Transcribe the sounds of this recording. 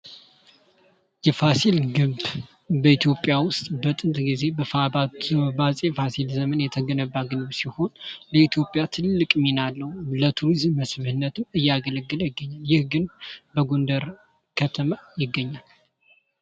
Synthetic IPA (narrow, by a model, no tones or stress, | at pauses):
jɛfasilɡɨb | bəit̪ʰjo̞pʼjawʊst̪ʼbət̪ʼɨnt̪ʼɡize̞bəfaabazʼefasilzəmənjɛt̪ʰəɡənəbːaɡɨnbsiho̞nləit̪ʰjo̞pʼjat̪ʰɨlːɨkʼminalːəwlət̪ʰuɾizmːəsβhɨnːət̪ʰɨmɨjːaɡələɡːɨljɪɡːəɲːaljɪhɡɨnbəɡond̪əɾ | kʰət̪ʰəmajɪɡːəɲːal